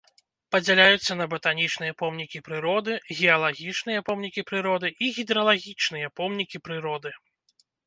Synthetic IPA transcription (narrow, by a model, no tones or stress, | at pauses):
pɐd͡zʲalʲajut̪sːɐnɐbɐt̪anʲit͡ʂnɨjɐpɔmnʲikʲipɾɨɾɔd̪ɨɣʲɛɐlˠaɣʲit͡ʂnɨjɐpɔmnʲikʲipɾɨɾɔd̪ɨʔiɣʲid̪ɾɐlˠaɣʲit͡ʂnɨjɐpɔmnʲikʲipɾɨɾɔd̪ɨ